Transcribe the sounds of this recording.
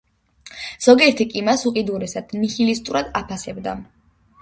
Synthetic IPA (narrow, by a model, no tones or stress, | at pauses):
z̥ɔɡiɛɾt̪ʰikʼimasuqʼid̪uɾɛsad̪̥nihilist̪ʼuɾad̪̥apʰasɛbd̪a̰